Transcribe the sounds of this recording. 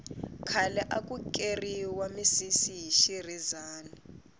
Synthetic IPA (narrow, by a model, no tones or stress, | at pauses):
kʰalɛʔakʼukʼeriwamisisiɦiʃirizaːna